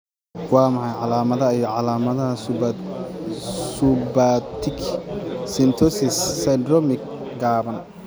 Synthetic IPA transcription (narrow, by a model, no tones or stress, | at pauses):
wɑːmɐħɑjʕɑlaːmɐðɐijɔʕɑlaːmɐðɐhɐs | subat̪ʰɪksɪnt̪ʰɔsɪsːɐjd̪rɔmɪk | ɡaːβɐn